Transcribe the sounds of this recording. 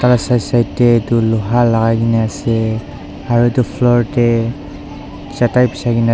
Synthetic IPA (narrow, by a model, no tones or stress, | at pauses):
kalasajsajtːɛtulɔɦalaɡaɡinɛasɛ | aɹutupʰlɔɹtɛ | satajpi̥saɡin